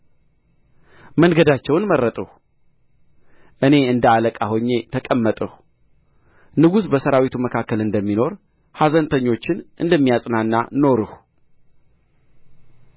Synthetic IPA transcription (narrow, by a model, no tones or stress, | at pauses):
mənɡəd̪at͡ʃːɛwnmərːət̪ʼəh | ʔɨne̞ɨnd̪əaləkʼaho̞ɲːe̞t̪ʰəkʼəmːət̪ʼəhu | nɨɡusbəsəɾawit̪ʰuməkʰakːəlɨnd̪əmːino̞ɾ | hazənt̪ʰəɲːo̞t͡ʃːɪnʔɨ̰nd̪əmːijasʼnanːa̰no̞ɾɨh